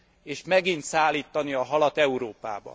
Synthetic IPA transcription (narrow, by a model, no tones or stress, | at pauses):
eːʃmɛɡint̪saːlːiːt̪ːɒniɒɦɒlɒt̪ɛuɾoːpa̰ːbɒ̰